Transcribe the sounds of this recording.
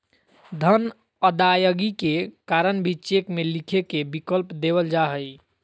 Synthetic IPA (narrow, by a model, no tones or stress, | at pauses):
d̪ʱən | əd̪ajəɡikekaɾənbʱit͡ʃekmelikʰekebikəlpd̪eβəld͡ʒaɦəj